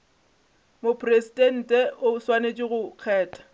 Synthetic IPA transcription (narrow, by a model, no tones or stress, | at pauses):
mopʰʼresitʼɛn̩ːtʼɛʔʊswanet͡ʃʼɪɣʊq͡χʰɛːtʰʼḁ